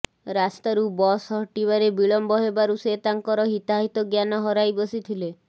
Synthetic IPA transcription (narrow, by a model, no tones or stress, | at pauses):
ɾast̪aɾubɔsɦɔʈiβaɾebiɭɔmbɔɦebaɾuset̪aŋkɔɾɔɦit̪aɦit̪ɔɡjanɔɦɔɾajbɔsit̪ʰile